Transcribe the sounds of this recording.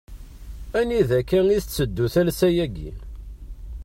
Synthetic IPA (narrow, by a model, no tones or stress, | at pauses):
æniðækːæŋiθət͡sːəd̪ːuθælsæjæɡḭ